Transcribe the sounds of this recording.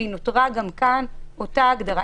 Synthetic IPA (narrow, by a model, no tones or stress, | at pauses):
inotʁaɡamkanotaːɡdaʁa